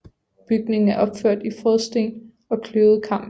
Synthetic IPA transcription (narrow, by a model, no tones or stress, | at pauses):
b̥yɡ̥ne̝ŋ̩æɐʔɒ̽b̥føɐ̰d̥ifʁɔðˠsd̥e̝̰ːn | ɒ̽kʰløʊð̩ˠkʰɑ̈m̰b̥